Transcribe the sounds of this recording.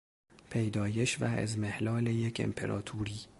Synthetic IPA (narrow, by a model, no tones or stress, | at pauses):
pʰejd̪ɒːje̞ʃvæ̰ḛzmehlɒːlejecʰḛmpʰe̞̰ɾɒ̰ːt̪ʰuːɾiː